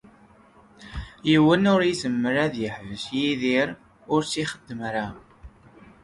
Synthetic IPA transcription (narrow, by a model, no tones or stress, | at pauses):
jiwənʊɾizəmːəɾæðjəħvəsjiðiɾ | ʊɾsiχəd̪ːəmɾa